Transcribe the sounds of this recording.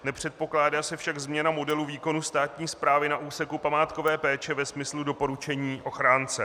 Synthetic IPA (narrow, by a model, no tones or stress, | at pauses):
nɛpr̝̥ɛt̪̚po̞klaːdaːsɛfʃaɡzmɲɛnamo̞dɛluviːko̞nust̪aːt̪ɲiːspɾaːvɪnaʔuːsɛkupamaːt̪ko̞vɛːpɛːt͡ʃɛvɛsmɪsludo̞po̞ɾut͡ʃɛɲiːʔo̞xɾaːnt͡sɛ